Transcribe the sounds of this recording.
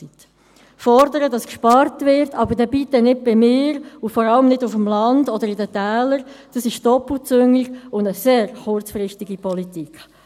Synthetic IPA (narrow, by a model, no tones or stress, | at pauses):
it | fɔɾdəɾədɑskʃpɑɾtvɪɾtʰɑbəɾdɛːbitːənɪd̚bɪmɪːɾʊfɔɾɑləmnɪdʊfəmlɑndɔdəɾɪdətæːləɾd̥ɑsɪʃd̥ɔpl̩t͡sʏŋiɡʊndəseːɾχʊɾt͡sfɾɪʃtiɡipɔlitik